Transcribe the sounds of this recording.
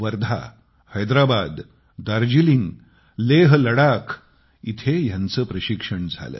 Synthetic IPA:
ʋəɾd̪ʱa̰ | həjd̪ɾabad̪ː | aɾd͡ʑiliŋɡ | leɦləɽakʰ | it̪ʰejãnt͡səːpɾəɕikʂəɳd͡zʱa̰lə̰ː

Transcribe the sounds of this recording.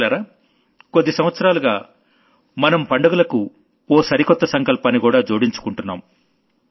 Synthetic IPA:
aɾaː | kod̪ːisɐm̃ʋɐt̪sɐɾaːluɡaː | mɐnɐmpɐɳɖɐɡulɐku | oːsɐɾikɔt̪ːɐsɐŋkɐlpaːnːikuːɽaːd͡ʒoːɽiɲt͡ʃu̥kuɳʈunːa̰ːm

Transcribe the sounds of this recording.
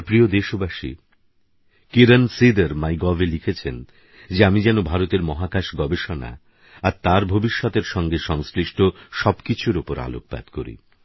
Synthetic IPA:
pɾiod̪eʃobaʃi | kiɾansid̪eɾmajɡɔvelikʰet͡ɕʰen | d͡ʑeamid͡ʑɛnobʱaɾot̪eɾmɔɦakaʃɡɔbeʃona̰ | aɾt̪aɾbʱobiʃːɔt̪eɾʃɔŋɡeʃɔŋsliʃʈʰoʃɔbkit͡ɕʰuɾupoɾa̰lo̰k̚pa̰d̪̥koɾḭ

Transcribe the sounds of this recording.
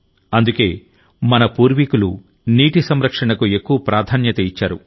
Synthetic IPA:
ɐnd̪uke̞ː | mɐnɐpuːɾʋikulu | niːʈisɐmɾɐkʂɐɳɐkue̞kːuʋɐpɾaːd̪ʱaːnjɐt̪ɐit͡ʃːaːɾṵ

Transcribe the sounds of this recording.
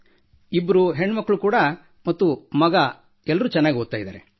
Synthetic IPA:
ibːɐɾuɦeɳːɐmɐkːɐɭukuːɽɐ | mɐt̪ːumɐɡɐ | ɛlːɐɾuːt͡ʃɛnːaːɡioɡ̪̚t̪ːaːjd̪a̰ːɾḛ

